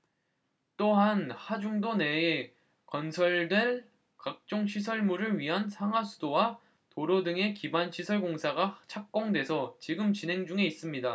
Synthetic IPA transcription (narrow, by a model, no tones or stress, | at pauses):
t͈oɦanhad͡ʑuŋdone̞ː | kʌnsʰʌɭdwe̞ɭ | kak̚t͡ɕ͈oŋɕʰis̬ʰʌɭmuɾɯɭɥiɦansʰaŋɦasʰu̥dowa | toɾʌdɯŋe̞kibanɕʰisʰʌɭɡoŋsʰaɡat͡ɕʰak̚k͈ʌŋdwe̞sʰʌt͡ɕiɡɯmt͡ɕinɦe̞ŋd͡ʑuŋe̞is͈ɯmɲida